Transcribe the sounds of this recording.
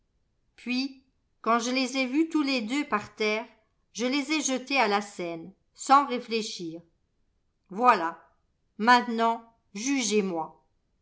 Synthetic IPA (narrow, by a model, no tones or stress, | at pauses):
pɥi | kɑ̃ʒəlezɛvyt̪uled̪øpaʁt̪ɛːʁ | ʒəlezɛʒət̪ealasɛn | sɑ̃ʁefleʃiːʁ | vwala | mɛ̃t̪nɑ̃ | ʒyʒemwa